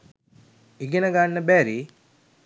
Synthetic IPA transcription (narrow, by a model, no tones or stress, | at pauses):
iɡinɐɡaːnːɐbeːɾi